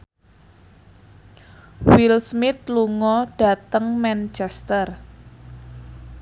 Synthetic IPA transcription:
wilsmɪt̪̚luŋɔɖ̥a̤t̪əŋmɛnt͡ʃɛst̪ər

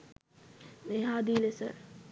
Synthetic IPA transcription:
neɦaːd̪iːlesə̰

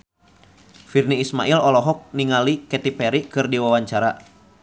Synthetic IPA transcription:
firniːsmaʔilɔlɔɦɔk̚niŋalikɛt̪ipɛɾikɨrdiwawaɲt͡ʃaɾa

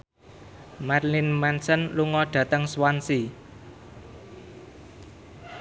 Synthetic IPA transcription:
marlinmɛnsənluŋɔɖ̥ä̤t̪əŋswansi

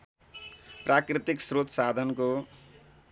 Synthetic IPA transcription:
prakrit̪iksrot̪sad̪ʱʌnko

